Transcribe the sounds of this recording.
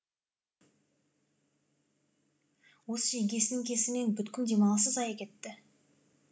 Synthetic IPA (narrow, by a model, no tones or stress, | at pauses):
wosəʒekʲe̞sɪnɪŋkʲʰe̞sɪme̞nbʏt̪kʲɪnd̪e̞mɑlˠɑsəzɑjɑkʲʰe̞t̪ːɪ